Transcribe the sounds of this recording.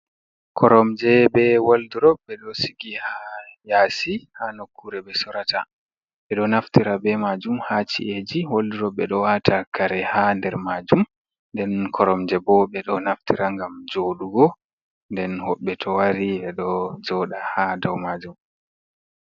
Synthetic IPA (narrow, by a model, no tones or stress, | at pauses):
kʰɔɾɔmd͡ʒɛbɛwalduɾɔɓɛɗɔsiɡihajasihanokːuɾɛbɛsɔɾatʰa | ɓɛɗɔnaftiɾabɛmad͡ʒumhat͡ʃḭʔed͡ʒiwalduɾɔɓɛɗɔwatʰakʰaɾɛhandɛɾmad͡ʒum | ndɛnkʰɔɾɔmd͡ʒɛbɔɓɛɗɔnaftiɾaŋɡamd͡ʒoːɗuɡɔ | ndɛnhɔɓːɛtʰɔwaɾiɛɗɔd͡ʒɔɗahadawmad͡ʒum